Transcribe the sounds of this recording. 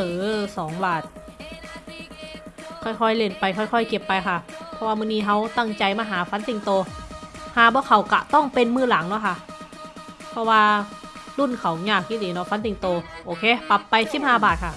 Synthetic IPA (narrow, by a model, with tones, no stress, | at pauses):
ɤː˨˦sɔː˨˦ŋbaː˨˩t̪̚ | kʰɔː˧˩jkʰɔ˧˩˨jle˧˩˨npa˧jkʰɔ˧˩jkʰɔː˧˥˨jke˧˩pːa˧jkʰa˧˩ʔpʰɔ˧waː˧mɯː˧˨niː˧˥˨ɦa˧˩wt̪a˧˩ŋt͡ɕa˧jmaː˧ɦaː˨˦fa˧˦˥nt̪i˨˩ŋt̪oː˧haː˨˩˦bɔ˧˦kʰa˨˩wka̰˧˩t̪ɔ˥˩ŋpe˧nmɯː˧˥˨la˨˦ŋnɔ˧˥˩kʰa˧˩ʔ | pʰɔ˧waː˧lu˧˥˩nkʰa˨˩wɲaː˧˩k̚ji˧˥diː˨˩nɔ˧˩fa˧˥nt̪i˨˩ŋt̪oː˧ʔoː˨˧kʰeː˧˩pa˧˦pːa˧jsi˧˦p̚haː˧˩baː˨˩t̪̚kʰa˧˩ʔ